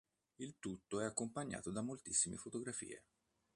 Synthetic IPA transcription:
ilt̪ut̪ːoɛakːompaɲːa̰ːt̪od̪amːolt̪isːimḛfot̪oɡɾafḭːḛ

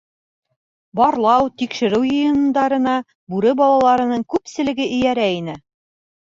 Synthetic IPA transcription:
bɒɾlˠɑwt̪ikʃɘ̆ɾɘwjɤ̆jɤ̆n̆nd̪ɑɾɤ̆nɑ | bʉɾɘbɒlˠɑlˠɑɾɤ̆nɤɴkʉpsɘ̆lɘ̆ɡɘʔɘ̆jæɾæinɘ

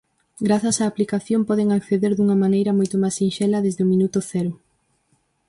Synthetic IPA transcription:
ɡɾaθɐsaːplikaθjompɔðeŋakθeðeɾðuŋɐmanejɾɐmojt̪ʊmajsinʃɛlɐðezðɪomĩnut̪ʊθɛɾʊ

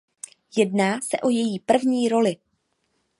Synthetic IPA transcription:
jɛdnaːsɛʔo̞jɛjiːpr̩vɲiːɾo̞lɪ

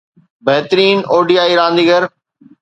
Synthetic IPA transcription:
bɛɦt̪ɾiːnoːɖiːaːiːɾãːnd̪iːɡəɾ

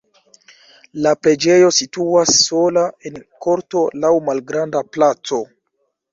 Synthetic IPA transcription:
lapɾe̞d͡ʒe̞jo̞situasːo̞lae̞nko̞ɾto̞lawmalɡɾandaplat͡so̞

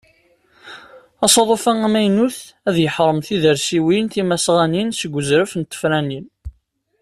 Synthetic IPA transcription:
ɑsˤɑðˤofæŋæmæjnuθ | æðjəħɾˤəmθiðəɾsiwinθimæsʁæninsəɡʷːəzɾəfnt̪ːə̥fɾænin

